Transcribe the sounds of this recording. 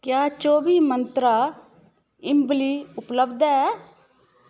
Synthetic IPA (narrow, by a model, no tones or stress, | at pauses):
kjaːt͡ʃoːbiːmənt̪ɾaː | ɪmbliːʊpləbd̪ɛː